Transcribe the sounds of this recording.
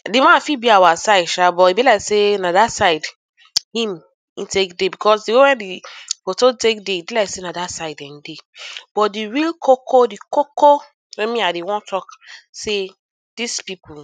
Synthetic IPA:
demãnfibiawasaɪdʃabɔibilaɪksenadasaɪd | hĩm | ĩtekdebikʰɔsdewewɛ̃ndifototekdeibilaɪksenadasaɪdɛ̃ndeb̥ɔtdiɹilkʰokʰodikoko | wɛ̃mĩadewɔ̃ntʰɔkse | d̥ispipʰu

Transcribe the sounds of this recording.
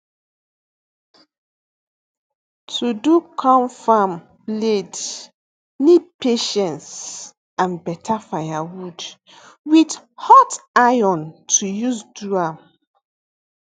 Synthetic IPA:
tʰudukʰɔ̃mfam | bled | nid̚peʃɛ̃ns | ãnbɛtʰafajawud | wid | hɔtajɔ̃ntʰujuzduam

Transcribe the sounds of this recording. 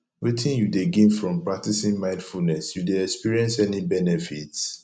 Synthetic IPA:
wetʰĩnjudeɡĩnfɹɔ̃mpɹak̚tisĩnmãɪ̃ndfulnɛsjudeɛkspiɹiɛ̃nsɛnibɛnɛfits

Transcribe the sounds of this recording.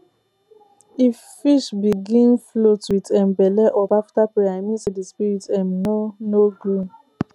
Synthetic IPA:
ifːiʃbiɡĩnflotwitɛmbɛlɛʔɔpaftapeaɪmĩsidispiɾitɛ̃mnonoɡu

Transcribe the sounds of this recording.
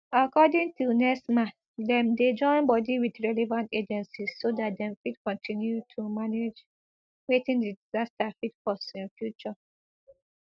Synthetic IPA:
akɔdĩŋtʰunɛsmaθ | dɛ̃mded͡ʒɔ̃ɪ̃nbɔdiwidɹɛlɛvãnted͡ʒɛ̃nsissodat̚dɛ̃mfidkɔ̃ntʰĩnjutʰumaned͡ʒ | wetĩŋdidiz̥astafidkɔstsĩnfjut͡ʃɔ

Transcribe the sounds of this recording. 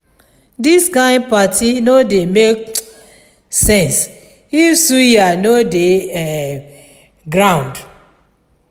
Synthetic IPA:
diskãɪ̃nd̚patʰinodemek̚ | sɛ̃ns | ifsujanodeɛ | ɡɹãʊ̃nd

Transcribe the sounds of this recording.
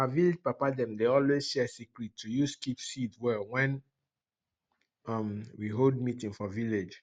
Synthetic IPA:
aaviled͡ʒpapadɛ̃mdeɔlwez̥ʃɛsikɹitʰːujuskipsidwɛwɛ̃n | ʌmwiɦold̚mitĩŋfɔviled͡ʒ

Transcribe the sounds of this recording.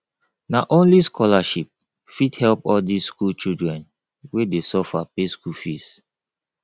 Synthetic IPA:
naʔõnliskʰɔlaʃip̚ | fidhɛlpɔldisskult͡ʃildɹɛ̃n | wedesɔfapeskulfis

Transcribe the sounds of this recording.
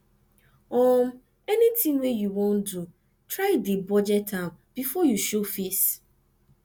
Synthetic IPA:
ɔm | ɛnitĩŋwejuwõndu | tʰɹaɪdibɔd͡ʒɛt̚ːãʊ̃nb̥ifɔjuʃofis

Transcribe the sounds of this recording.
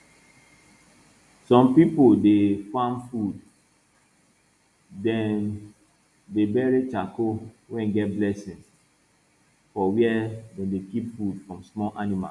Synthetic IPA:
sɔ̃mpipodefãmfud | dɛ̃n | debɛɹet͡ʃako | wɛ̃nɡɛt̚blɛsĩns | fɔwiɛdɛ̃ndekipfudfɹɔ̃msmɔlʔanima̰l

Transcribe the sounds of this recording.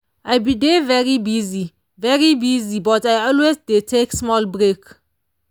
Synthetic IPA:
ʔajbidevɛɹibizi | vɛɹibizibɔtajɔlwezdetʰeksmɔlbɹek

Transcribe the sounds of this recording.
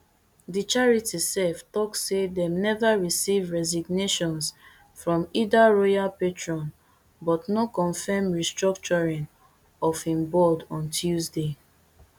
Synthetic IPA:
dit͡ʃaɹitisɛftɔksedɛ̃mnɛvaɹisivɹɛziɡneʃɔ̃ns | fɹɔ̃midaɹɔjalpetɹɔ̃n | bɔtnɔkɔ̃nfɛmɹistɹɔk̚t͡ʃɔɹĩn | ɔfhĩmbɔdɔ̃ntʰjuzde

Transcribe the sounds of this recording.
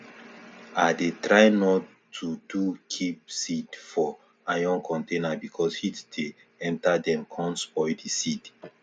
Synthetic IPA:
adetɹaɪnɔtʰː | udukʰip̚sidfɔ | ajɔ̃ŋkʰɔ̃ntenabikʰɔshitde | ɛ̃ntadɛ̃mkʰɔ̃nsɔjdisid

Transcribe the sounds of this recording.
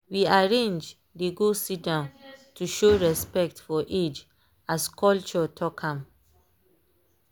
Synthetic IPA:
wiaɹẽnd͡ʒ | deɡosidãntuʃoɹɛspɛk̚tfɔʔed͡ʒ | askʰɔlt͡ʃɔtʰɔkʰãm

